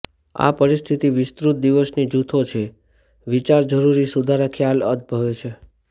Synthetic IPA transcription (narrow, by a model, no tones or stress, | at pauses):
a̰pəɾist̪ʰit̪iʋɪst̪ɾut̪̚d̪iʋəsnid͡ʒut̪ʰot͡ʃʰe | ʋit͡ʃaɾd͡ʒəɾuɾisud̪ʱaɾakʰjaləd̪̚bʱəʋet͡ʃʰe